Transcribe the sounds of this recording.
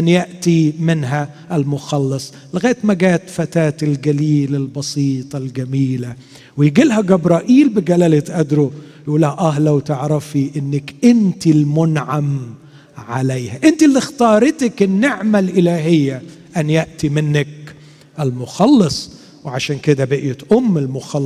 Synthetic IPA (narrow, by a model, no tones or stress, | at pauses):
ʔanjaʔt̪imɪnɦæ | ʔɪlmʊxɑlːɑsˤ | lɪɣaːjt̪maɡaːt̪fat̪aːt̪ɪlɡæliːlalbɑsˤiːt̪ˤɑlɡamiːla | wɪjɡilhæɡabɾˤɑːʔiːlbɪɡælaːlɪt̪ʔad̪ɾojʔuːlːæhæʔæɦlawt̪ɪʕɾˤɑfiʔɪnːɪkʔɪnt̪ilmʊnʕam | ʕalejhæʔɪnt̪ilːixt̪ɑːɾˤɪt̪akɪnːɪʕmalʔɪlaːɦɪjːa | ʔanjaʔt̪imɪnːak̚ | ʔɪlmʊxɑlːɑsˤ | wʕaʃaːnkɪd̪abɪʔjɪt̪ʔʊmːɪlmʊxɑ